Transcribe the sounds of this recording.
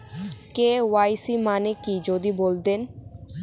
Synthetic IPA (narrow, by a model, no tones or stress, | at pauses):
kewajsimanekid͡ʑod̪ibold̪en